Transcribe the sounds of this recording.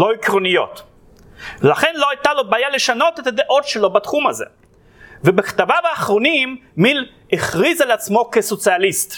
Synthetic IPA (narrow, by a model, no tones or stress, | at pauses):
lo̞ikʁonijo̞̰t̪ | velaχenlo̞ajtalo̞baːjaleʃano̞tet̪ad̪eʔo̞tʃelo̞bat̪χumaze̞̰ | vebeχt̪avavaːχʁonimːil | eχʁizaleat͡smo̞keso̞t͡sialist̪